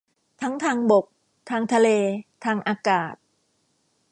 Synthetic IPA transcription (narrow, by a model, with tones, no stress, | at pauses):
t̪ʰa˦˥ŋt̪ʰaː˧ŋbo˨˩k̚ | t̪ʰaː˧ŋt̪ʰa˧leː˧t̪ʰaː˧ŋʔaː˧kaː˨˩t̪̚